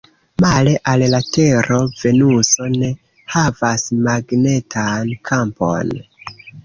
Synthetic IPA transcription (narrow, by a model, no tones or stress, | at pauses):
male̞ʔallate̞ɾʔo̞ve̞nuso̞ne̞ | havasmaɡne̞tʰankʰampo̞̰n